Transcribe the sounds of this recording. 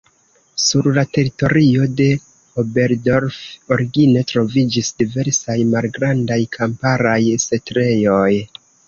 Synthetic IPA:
suɾlate̞ɾito̞ɾio̞de̞ | obe̞ɾdo̞ɾfoɾiɡine̞tɾo̞vid͡ʒisdive̞ɾsajmalɡɾandajkʰampaɾajse̞tɾe̞jo̞j

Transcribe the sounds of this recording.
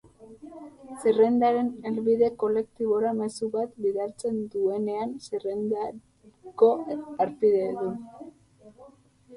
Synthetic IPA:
sire̞nd̪aɾe̞nelβiðe̞ko̞le̞k̚t̪iβo̞ɾame̞suβat̪biðaɾt͡se̞nd̪ue̞ne̞ansirend̪a | ko̞aɾpiðeðu

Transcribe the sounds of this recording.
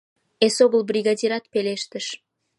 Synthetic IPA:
esoβəlbrʲiɣɑdʲiɾɑt̪̚peleʃt̪əʃ

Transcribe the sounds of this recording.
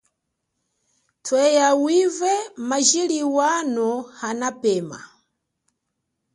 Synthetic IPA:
tʰwɛjawivɛmaʒiliwanɔhanapɛːma̰

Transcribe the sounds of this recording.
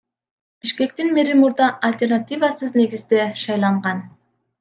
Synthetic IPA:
b̥iʃke̞k̚t̪inbiɾimuɾd̪ɑʔɐlʲt̪ʲe̞rnat̪ʲivasɯzne̞ɡizd̪e̞ʃɑjlˠɑɴʁɑn

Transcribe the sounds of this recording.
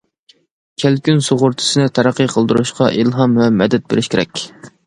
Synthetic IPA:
kʲʰælkʲynsoʁʊɾt̪ʰɨ̥sɨnɪt̪ʰæɾæqːəqʰəlˠd̪uɾuʃqʰɑʔilˠɦɑmvɛmɛd̪ɛt̪̚bḛɾɪʃkʲeɾɛ̰kʲ

